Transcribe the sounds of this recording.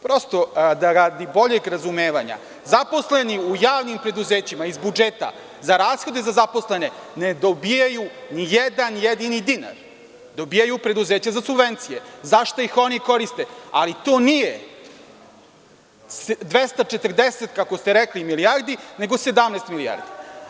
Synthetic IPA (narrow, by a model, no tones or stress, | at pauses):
pɾost̪o̞d̪aɾaːd̪ibo̞ʎeɡɾazumeːʋaɲa̰ | zapo̞sle̞niujaːʋnimpɾe̞d̪uzeːt͡ɕimaizbud͡ʒeːt̪a̰ | zaɾaːsxo̞d̪ezazapo̞sle̞ne̞ne̞d̪obijajunijed̪anjed̪inid̪ina̰ɾ | d̪o̞bijajupɾe̞d̪uzeːt͡ɕazasubʋent̪sijezaʃt̪oixo̞niko̞ɾist̪e̞alit̪o̞ːnije | sd̪ʋest̪at͡ʃet̪r̩d̪eset̪kakost̪eɾeklimilijaɾd̪ine̞ɡo̞se̞d̪amneːst̪milia̰ɾd̪i